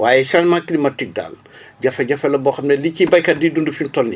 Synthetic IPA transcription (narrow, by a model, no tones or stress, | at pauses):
waːjɛsanmakːinimɐtik̚da̰ːl | ɟɐfɛɟɐfɛlɐbɔːxɐmnɛlicibɐjkɐdiːdundufintɔlni